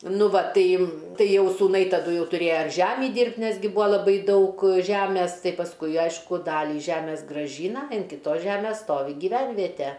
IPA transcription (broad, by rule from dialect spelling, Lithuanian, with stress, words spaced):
ˈnʊ ˈʋɐ ˈtɐɪ ˈtɐɪ ˈjɛʊ suːˈnɐɪ tɐˈdʊ ˈjɛʊ tʊˈrʲeːjɛ ɪr ˈʒʲæːmʲiː ˈdʲiːrʲpʲtʲ ˈnʲɛs ɡʲɪ ˈbʊɐ lˠɐˈbɐɪ ˈdɐʊk ˈʒʲæmʲɛs ˈtɐɪ pɐsˈkʊɪ ˈɐɪʃkʊ ˈdɑːlʲiː ˈʒʲæmʲeːs ɡrɐˈʒʲiːnɐ ɪn kʲɪˈtoːs ˈʒʲæmʲeːs ˈstoːʋʲɪ ɡʲɪˈʋʲænʲʋʲiɛtʲɛ